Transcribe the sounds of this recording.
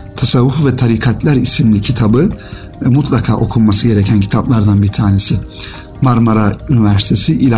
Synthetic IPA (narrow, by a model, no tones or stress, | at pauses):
t̪ʰasavːufvɛt̪ʰaɾikʰat̪lʲæɾisimlʲicʰit̪ʰabɯ | mut̪ʰlˠakʰaːʔo̞kʰulˠmasɯɟe̞ɾecʰæncʰi̥t̪ʰaplˠaɾd̪anbiɾt̪ʰaːne̞sɪ | maɾmaɾaynivæɾsi̥t̪ʰe̞siʔilʲ